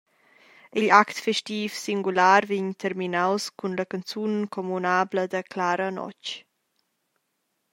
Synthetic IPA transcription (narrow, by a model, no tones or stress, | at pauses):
iʎakt̪fɛʃtiːfsiŋɡulaːɾviɲt̪ʰɛrminawskʰunləkant͡sunkɔmunaːbləd̪əklaːɾənɔ̰t͡ʃ